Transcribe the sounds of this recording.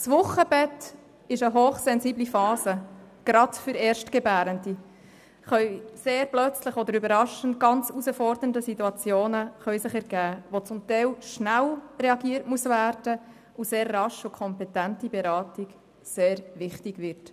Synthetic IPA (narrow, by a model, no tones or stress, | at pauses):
svʊχːəbɛt | ɪʃəɦoːχsɛnziːblifɑːsə | ɡ̥ɾɑdfʏɾɛːɾʃtɡ̥ɛbæːɾəndi | χœɥseːɾblœt͡slɪχɔd̪əɾybəɾɑʃən̩t̚ɡɑnt͡susəfɔɾdəəndəsituɑt͡sjoːnəχœɥsɪχɛɾɡ̥æːʋot͡sʊmtɛɪlʃnælreɑɡiːəɾtmuəsvæːɾd̥ə | useːɾːɑʃʊkʰɔmpɛtæntibɛɾɑːtiɡ | seːɾʋɪχtiɡʋɪɾt